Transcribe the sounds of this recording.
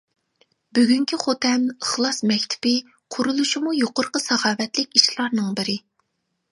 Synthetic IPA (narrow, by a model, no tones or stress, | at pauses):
byɡʲyŋkʲʰiχot̪ʰɛməχlˠɑsmɛkʲt̪ʰɪ̥pɪ | qʰʊɾulˠuʃimujoqʊɾqəsɑχɑːvɛt̪lɪkʲiʃlˠɑɾnɨŋbɪɾɪ